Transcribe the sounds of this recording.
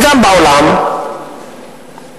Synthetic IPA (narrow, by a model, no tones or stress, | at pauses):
zambawlam